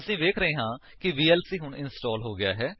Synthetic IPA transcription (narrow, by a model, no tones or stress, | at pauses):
əsĩːʋeːkʰɾəeːɦãː | kɪʋiːɛːlsiːɦʊɳɪnsʈɔːlɦoːɡɪja̰ːɦɛː